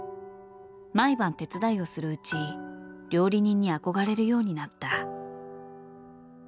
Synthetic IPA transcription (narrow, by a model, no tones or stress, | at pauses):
maibãnt̪e̞t͡sɨd̪aio̞sɨɾɯ̟ɯ̟t͡ɕiɾʲo̞ːɾʲiɲ̟ĩɲ̟ːiako̞ɡaɾe̞ɾɯ̟jo̞ːɲ̟inat̪ːa